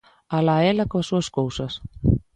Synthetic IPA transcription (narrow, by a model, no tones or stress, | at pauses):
alaɛlakvasɔskoːwsas